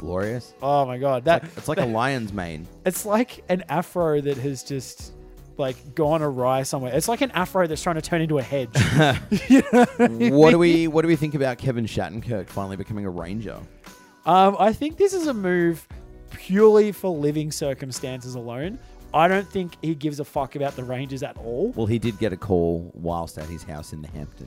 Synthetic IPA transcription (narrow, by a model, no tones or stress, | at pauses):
ɡ̥lɔ̰ɹiɨsoʊmaɪɡɑd̪̚ðɨɨtslaɪəlaɪɨ̃nzmḛ̃ɪ̃nɨtslaɪkʰɨ̃næfɹoʊðɨt̚ɦɨzd͡ʒʌst | laɪkɡ̥ɔ̃nəɹaɪsʌ̃mwɛɹɨtslaɪkɨ̃næfɹoʊðɨtstɹ̥aɪɪ̃ŋtɨtʰɜ̃˞ɾnɪ̃ntuɨhɛd̥d͡ʒ̥ | jɨ | wʌd̥əwiwʌt̚d̥ɨwiθɪ̃ŋkɨbaʊt̚kʰɛvɨ̃nʃæ̰ʔn̩kʰɜ˞kfãɪ̃nl̩ˠibɨkʰʌmɪ̃ŋəɹḛ̃ɪ̃nd͡ʒə̰ | ʔʌ̃maɪθɪ̃ŋk̚ðɪsɨzəmʉv̥pʰj̥ʊɹlˠifə˞lɪvɪ̃ŋsɜ˞kɨ̃m̩stæ̃nsɨzəlõʊ̃nʔaɪɾõʊ̃nθɪ̃ŋkhiɡɪvzəfʌkɨbaʊt̪̚ðəɹẽɪ̃nd͡ʒɨzɨɾɔlˠwɛ̰lˠidɨd̚ɡɛɾɨkʰɔlˠwa̰ɪlˠstɨ̰t̚hɨz̥ha̰ʊsɨ̃n̩ðɨhæ̰̃mp̚tʰɨ̰̃n